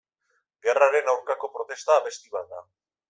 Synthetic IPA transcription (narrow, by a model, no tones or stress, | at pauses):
ɡe̞raɾe̞nawɾkako̞pɾo̞t̪e̞st̪aːβ̞e̞st̪iβat̪̚d̪a